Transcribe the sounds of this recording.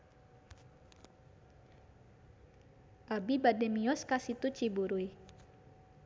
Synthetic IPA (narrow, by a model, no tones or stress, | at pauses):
ʔabibadɛmiɔskasit̪ut͡ʃibuɾuj